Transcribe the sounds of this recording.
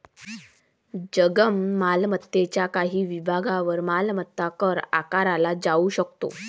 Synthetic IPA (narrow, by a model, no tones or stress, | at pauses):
d͡ʑəɡəmːalmət̪ːet͡ɕjakaɦiːʋibʱaɡaʋəɾmalmət̪ːakəɾa̰kaɾalad͡zauɕəkt̪o̰